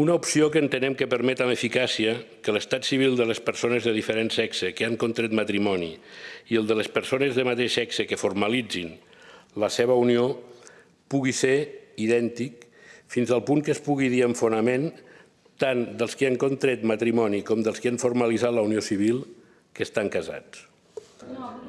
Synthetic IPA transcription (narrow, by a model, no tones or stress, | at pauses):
unaupsiokəːnt̪ənɛmkəpəɾmɛt̪aməfikasiəkələst̪at̪siβ̞ilˠd̪ələspəɾsonezðəðifəɾensɛksəkəaŋkont̪ɾɛt̪mat̪ɾimɔniiəlˠd̪ələspəɾsonəzðəmat̪eʃɛksəkəformalid͡zin | ləseβ̞əunio | puɣiseiðɛnt̪ik | finzəlˠpuŋkəspuɣiðiəɱfunəmen | t̪and̪əlˠskiaŋkont̪ɾɛt̪mat̪ɾimɔnikɔmd̪əlˠskiaɱfoɾməlizat̪ləuniosiβ̞ilˠ | kəst̪aŋkəza̰t͡s